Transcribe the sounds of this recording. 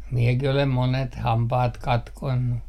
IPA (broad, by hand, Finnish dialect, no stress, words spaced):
miekih olem monet hɑmpɑːt kɑtkonːu